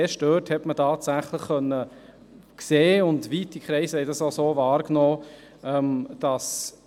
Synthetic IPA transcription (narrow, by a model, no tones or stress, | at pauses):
eʃtøːthɛtmətʰɑːtsæχləχːœnːə | kseːʊndʋiːtikʰɾɛɪsəhɛɪdɑsosoːvɑːɾknoː | ɛmd̥ɑs